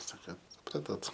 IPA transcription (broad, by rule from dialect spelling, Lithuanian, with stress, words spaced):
ˈsɑːkɐ sʊˈprɑːtoːt